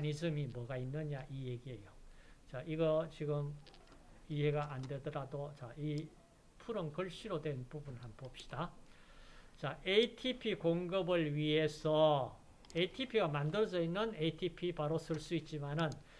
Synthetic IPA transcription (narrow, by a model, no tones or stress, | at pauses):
ɲisɯmimwʌɡainːɯɲaʔije̞ɡie̞jot͡ɕaʔiɡʌt͡ɕiɡɯm | iɦe̞ɡaʔande̞dʌɾadot͡ɕai | pʰuɾʌnkɯɭɕ͈iɾodwe̞npubunhanpop̚ɕ͈i̥d̥a | t͡ɕaeitʰipʰikoŋɡɯbɯɭɥiɦe̞sʰʌ | eitʰipʰiɡamandɯɾʌd͡ʑʌinːɯneitʰipʰipaɾosʰɯɭs͈uit̚t͡ɕ͈imanɯn